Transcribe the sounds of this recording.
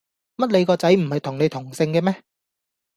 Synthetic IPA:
mɐ˥t̚le˨˧jkɔː˧t͡sɐ˨˥jm̩˨˩hɐ˨jt̪ʰʊ˨˩ŋne˨˧jt̪ʰʊ˨˩ŋsɪ˧ŋkɛː˧mɛː˥

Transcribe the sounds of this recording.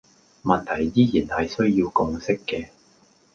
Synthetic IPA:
mɐ˨nt̪ʰɐ˨˩jːiː˥jiː˨˩nhɐ˨jsɵ˥ɥjiː˧wkʊ˧ŋsɪ˥kːɛː˧

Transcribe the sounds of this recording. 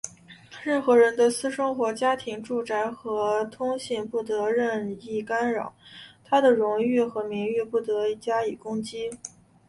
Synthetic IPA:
ɻə˥˩nxɤ˧˥ɻə˧˥nd̪ə˧sɹ̩˥ʂɤ˥ŋxwɔ˧˥t͡ɕja˥t̪ʰi˧˥ŋʈ͡ʂu˥˩ʈ͡ʂa˧˥ɪxɤ˧˥t̪ʰʊ˥ŋɕi˥˧npu˥˩t̪ɤ˧˥ɻə˥˧ni˥˩ka˥nɻɑ̰˨˩˦ʊt̪ʰa˥d̪ə˨ɻʊ˧˥ŋy˥˩xɤ˧˥mi˧˥ŋy˥˧pu˥˩t̪ɤ˧˥˩t͡ɕja˥i˨˩kʊ˥ŋt͡ɕi˥

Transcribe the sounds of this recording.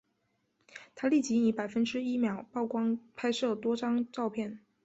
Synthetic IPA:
t̪ʰa˥li˥˩t͡ɕi˧˥i˧˥pa˨˩ɪfə˥nʈ͡ʂɻ̩˥i˥mjɑ˨˩˦ʊpɑ˥˩ʊkwɑ˥ŋpʰa˥ɪʂɤ˥˩t̪wɔ˥ʈ͡ʂɑ˥ŋʈ͡ʂɑ˥˧ʊpʰjɛ˥˩n

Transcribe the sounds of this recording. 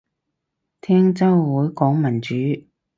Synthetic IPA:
t̪ʰɛː˥ŋt͡sɐ˥wwuː˨˥jkɔː˨˥ŋmɐ˨˩nt͡ʃyː˨˥

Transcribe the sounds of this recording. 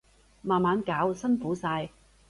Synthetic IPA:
maː˨nmaː˨˧˥nkaː˨˥wsɐ˥nfuː˨˥saː˧j

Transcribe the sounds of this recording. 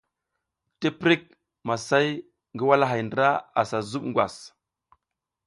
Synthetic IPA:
te˦pɾi˦k̚ | ma˨sa˦j | ŋɡi˦wa˦la˦ɦa˨jndɾa˦a˨sa˨zu˦ɓŋɡwa˨s

